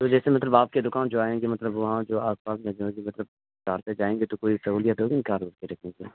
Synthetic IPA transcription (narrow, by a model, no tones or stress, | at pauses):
t̪od͡ʒɛːsemɐt̪ləbaːp̚ked̪ʊkaːnd͡ʒoaːẽːɡemɐt̪ləbʋɐɦãd͡ʒoːaːspaːsmẽd͡ʒɦõːɡimɐt̪ləb̚ | kaːɾt̪ed͡ʒaːẽːŋɡet̪okoːisɐɦuːlijət̪ɦoːɡinĩkaːɾʋəɾk̪eɾɐkʰẽːŋɡe